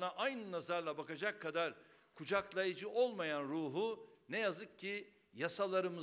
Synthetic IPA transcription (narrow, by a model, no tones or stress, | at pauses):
naʔajnɯnazaɾlˠabakad͡ʒakʰːad̪aɾ | kʰud͡ʒaklˠajɯd͡ʒɯʔo̞lˠmajanɾuːɦunɛjazɯk̚cʰːi | jasalˠaɾɯmɯ